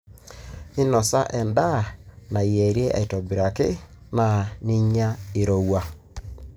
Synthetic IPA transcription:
ɪ˦nɔ˨sa˦ʔɛ˨nda˦˨na˨i˨ɛ˨ɾje˦ʔa̰˨i˨tɔ˨bi˨ɾa˨kɪ˦ | na˨ni˦ɲa˦ɪ˨ɾo˦wa˦

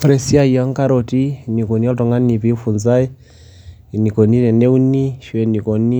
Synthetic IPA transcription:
fɾɛ˨si˦a˦ia˦ŋka˦ɾɔ˨ti˦ni˨kɔ˨ni˦a˦tɔ˨ŋɡa˦ni˨pi˦fu˨nza˦i˨ | ni˨kɔ˨ni˦tɛ˨nɛ˦u˦ni˦ʃiwɛ˨ni˨kɔ˨ni˦

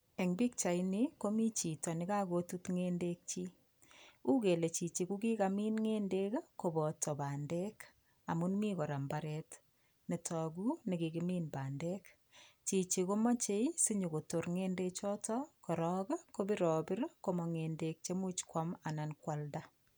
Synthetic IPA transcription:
e˨ŋbi˦k̚t͡ʃa˨jniko˦mi˦t͡ʃi˨tɔ˨nɪ˦ka˦ko˦tutŋe˦ndek̚t͡ʃi˦ | u˦ke˨le˨t͡ʃi˨t͡ʃi˨ku˦ki˦kami˦nŋeː˦ndeka˦ko˨bɔ˨tɔ˨baːndek | a˨mu˦nmi˦kɔ˨ɾa˨mba˨ɾɛt | ne˨tɔ˨ɡu˦ne˨kiɡimiː˦nbaː˨nde˦k | t͡ʃi˨t͡ʃi˨ko˦ma˦t͡ʃe˦isi˦ɲu˨ko˨to˨ɾŋeːnde˦t͡ʃɔ˦tɔkɔ˨ɾɔka˦ko˦bi˦ɾɔ˨bɪ˦ɾko˦mɔ˨ŋe˨ndek̚t͡ʃe˦mu˦t͡ʃkwa˦ma˨na˨nkwalda˦

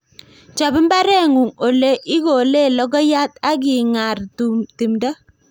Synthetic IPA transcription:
t͡ʃa˨bɪ˦mba˦ɾɛ˦ŋu˨ŋo˨le˦ʔɪ˦ɡo˨le˦˨lɔ˦ɡɔ˦ja˦ta˦k̬ɪ˨ŋa˨rti˨mda˦

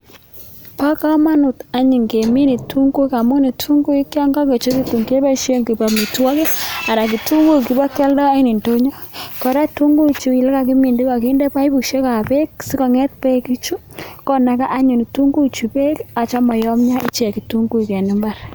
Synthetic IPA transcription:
pa˦ka˦ma˦nʊ˨ta˦ɲi˨ŋke˨mi˦ni˨tu˦ŋɡu˦ka˨mu˦ni˨tʰu˦ŋɡu˦i˦ka˦ŋɡa˦ke˨t͡ʃo˦ki˦tu˨ŋke˦be˦ʃe˦ŋɡi˨ba˨mi˨twɔ˦ke˦a˨na˨k̬i˨tu˦ŋɡu˦˨ki˨ba˦kɛ˦ldɔ˦i˦ni˨nto˦ɲɔ˦kɔ˨ɾa˦tu˦ŋɡu˦t͡ʃu˨i˨lɛ˦ka˨ki˦mi˨ndi˦ka˨ki˦nde˦pa˦i˦bu˨ʃe˦ka˨pe˦k̚si˦kɔ˨ŋɛ˦t̚pe˦ki˦t͡ʃu˦ | kɔ˦na˨˦ka˦ʔa˦ɲu˨ni˨tu˦ŋɡu˦t͡ʃu˨pe˦ka˨t͡ʃa˦mɔ˨jɔ˦mɲa˦i˦t͡ʃki˨tu˦ŋɡu˦i˨kɛ˨ni˦mba˦r

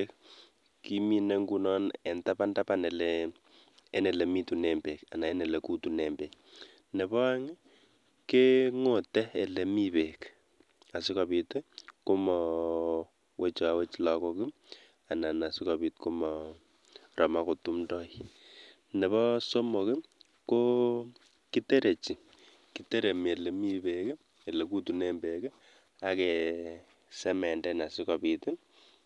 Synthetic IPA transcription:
k | ki˦mi˨nɛ˦ŋɡu˦nɔ˦nɛ˨nta˦pa˦nda˦pa˨nɛ˨lɛː˦ | nɛ˨lɛ˨mi˦tu˨nɛ˨mbe˨ka̰˨na˨ɛ˦nɛ˨lɛ˨ku˦tu˨nɛmbɛ˨k | nɛ˨bɔ˦a˦ŋ˦ | ke˦ŋo˨tɛ˦ɛ˨lɛ˨mi˦pe˨k | a˨sɪ˦kɔ˨pi˦tku˦mɔ˨ | wʔe˦t͡ʃɔ˨a˨we˦t͡ʃla˨kɔ˦ki˦ | a˨na˨na˨sikɔ˨bi˨t̚ku˦mɔ | rɔ˨ma˦ko˨tu˦mdɔ˦i | ne˨βɔ˦so˦mo˨kɪ˦ | ko˦ | ki˦te˦ɾe˨t͡ʃi˨ | ki˨te˦ɾe˨me˨le˨mi˦bek | e˨le˨ku˦tu˨ne˦mbe˨kɛ˦ | ake | sɛ˦mɛ˨ndɛ˦na˨si˦kɔ˨pi˨tɪ˦

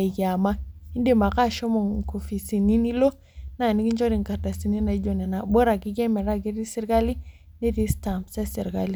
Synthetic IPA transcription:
i˨ɡa˨ma˦i˦ndi˦˨ma˨ka˦ʃo˦mo˨ŋ˨ko˨fi˨si˨ni˦ni˦lo˦ | na˦˨ni˦ɡi˦ɲd͡ʒo˦ɾi˨ŋka˨ɾda˨si˨ni˦na˨i˦ɟo˨ne˨na˨bo˦ɾa˨ɡi˦ɡe˦me˨ɾa˦ɡi˦ɾi˦si˦ɾɡa˦li˦ | ne˦ɾi˦sta˨mse˦si˨ɾɡa˦li˨

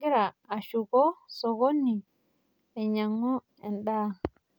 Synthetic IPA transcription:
i˦ɾaː˨ʃu˨ko˦so˨ɡo˦nːi˨ | e˨ɲa˨ŋːo˦ | e˨nɗa˦

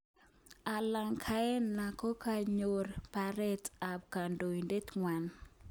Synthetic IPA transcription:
a˨la˨ŋkʰa˦ɛ˦nna˨ko˦ka˨ɲo˨rpa˨ɾɛ˦ta˨p̚ka˨ndo˨i˨nde˦tŋwa˨n

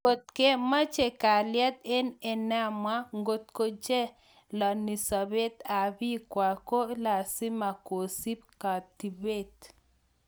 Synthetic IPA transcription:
o˨t̪̚ke˦ma˦t͡ʃe˨ka˨ljɛ˦t̪e˦nɛ˨na˦ma˦ŋɡo˨t̪̚ko˦d͡ʒe˦ | la˨ni˨sa˨be˦t̪a˨bi˦kwa˨ko˦la˨si˦ma˨ko˨si˦pka˨t̪i˨be˦˨t̪

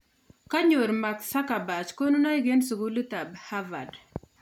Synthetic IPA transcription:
ka˦ɲo˨ɾma˨ksa˦ka˨ba˨t͡ʃko˦nu˦na˦i˦ɡe˦nsu˨ɡu˦lu˦ta˨bha˦va˨d

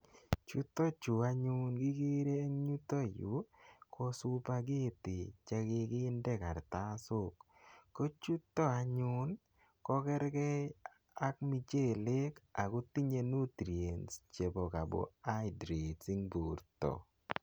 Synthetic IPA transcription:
t͡ʃu˦t̪ɔ˦t͡ʃʊ˨a˦ɲʊ˦nɡɪ˦ki˦ɾe˦e˦ŋɲu˦to˦ju˨˦kʰɔ˦sʊ˦pa˦ɡɪ˦˨tɪ˨t͡ʃɛ˦kɪ˦kɪː˦ndɛ˦˨ka˨ɾt̪a˦sʊ˦kː | o˦t͡ʃu˦tːɔ˦a˨ɲʊ˦n | kɔ˦kɛ˦ɾkɛ˦ | a˦kmi˨t͡ʃe˦˨le˦ka˨kʊ˦ti˦ɲe˦nu˦tɾi˨e˨nst͡ʃe˨bɔ˨ka˨bɔ̰˨a˦jdɾe˨si˦ŋbo˨ɾtɔ̰˨

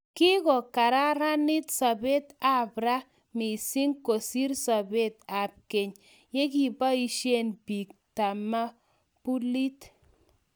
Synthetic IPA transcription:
ki˦kɔ˨ka˨ɾa˦ɾa˦ni˦t̪sa˨be˦t̪a˨bɾa˦ | mi˨si˦ŋko˨si˦ɾsa˨be˦t̪a˨p̚ke˨ɲ | je˦k̬i˨ba˦i˦ʃe˦nbi˨k̚ta˨ma˦ | pu˦li˦t

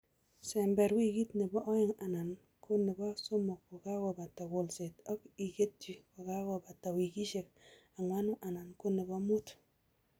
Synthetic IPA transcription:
sɛ˨mbɛ˨ɾwi˦ki˦tne˨bɔ˦ʔɔ˦ɪ˦˨ŋa˨na˨n | ko˦ne˨bɔ˦so˦mɔ˨k̚wɔ˨ka˦wɔ˨ba˨ta˨ko˨lse˨tɔ˦ki˨ke˦t̚d͡ʒi˨ka˨ka˦wɔ˨ba˨ta˨wi˨ki˦ʃe˨k̚a˨ŋwa˦nʊ˦ʔa˨na˨nko˦ne˨bɔ˦mu˦t

